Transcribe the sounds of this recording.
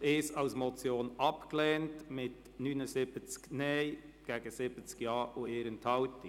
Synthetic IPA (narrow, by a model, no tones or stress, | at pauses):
eːsɑʊsmɔt͡sjoːnɑpkleːntmɪt | nyːnʊsɪb̥ət͡sknɛɪɡ̥ɛːɡ̥əsɪb̥ət͡skjɑːʔʊeːɾənt̪ʰɑʊt̪ɪ